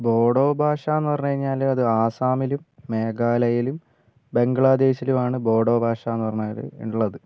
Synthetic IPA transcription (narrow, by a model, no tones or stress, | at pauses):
bo̞ːɽo̞ːbʱaːʂɐenːuʋɐrɐɲːukɐɾiɲːaːlɐðɨaːsaːmilumːe̞ːɡaːlɐjilum | be̞ŋɡɐɭaːd̪e̞ːɕilumaːɳɨbo̞ːɽo̞ːbʱaːʂɐenːuʋɐrɲːuaːl̰ḛuɭːɐðɨ